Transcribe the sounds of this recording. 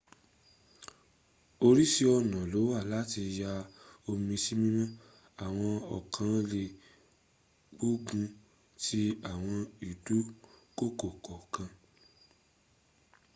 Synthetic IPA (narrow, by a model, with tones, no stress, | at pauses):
o˧ɾi˦si˦ɔ˧nã˨lo˨˦wa˦˨la˦ti˧ja˧o˧mĩ˧si˦mĩ˦mã˦ | a˨w̃ɔ̃˧ɔ˨kʰã˨˧˦le˧˨ | k͡pu˦ɡũ˧ | tʰi˦a˨w̃ɔ̃˧i˨du˨˦ko˦˨ko˨kɔ˨kã˧